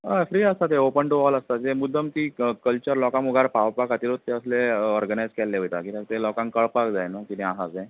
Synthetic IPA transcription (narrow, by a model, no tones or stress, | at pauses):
afɾiːəst̪at̪eopəɳʈoʋɔləst̪ad͡zemud̪ʱːəmt̪ikəlt͡ɕəɾlɔkãmuɡʱaɾpawpakat̪iɾot̪ːeəsleɔɾɡənajd͡zkɛlːeɦojt̪akit̪ãt̪elɔkãŋkəɭpakd͡zajnakiniasad͡zaj